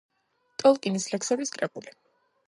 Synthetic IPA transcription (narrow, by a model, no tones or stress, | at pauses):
t̪ʼɔlˠkʼinislɛksɛbiskʼɾɛkʼuli